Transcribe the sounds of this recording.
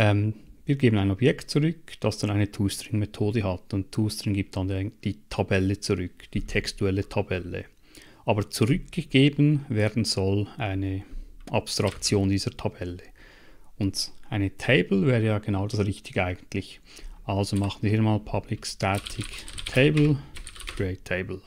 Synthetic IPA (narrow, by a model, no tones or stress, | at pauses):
ʔɛmviːɐɡeːbənaɪnɔbjɛktt͡suʁʏkd̥ɑsd̥ɑnaɪnətʰuːstəɾɪŋmetʰoːdəɦɑtʊnttʰːuːstəɾɪŋɡiːp̚td̥ɑndd̥iːtʰɑbɛlət͡suʁʏkd̥iːtʰɛkstuɛlətʰɑbɛlə̰ | ʔɑːbət͡suʁʏk̚ɡ̥əɡ̥eːbənvɛːɐdn̩z̥ɔlʔaɪnəʔɑpstʁ̥ɑkt͡sjoːndiːz̥ətʰɑbɛlə | ʊntʔaɪnətʰeɪbl̩vɛːʁəjɑːɡ̥enaʊdɑsʁɪçtɪɡ̥əaɪɡən̩tʰlɪç | ʔɑlzomɑχən̩viːhmaːlpʰab̥lɪkstɛtʰɪktʰeɪbl̩ɹeɪtʰeɪbl̩